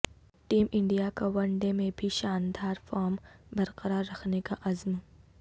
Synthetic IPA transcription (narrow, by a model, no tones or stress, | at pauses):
ʈiːmɪ̃ɳɖijakawɐɳɖemẽbʱiʃaːnd̪aːɾfaːɾmbɐɾqɐɾaːɾːɐxʰnekaʔɐzm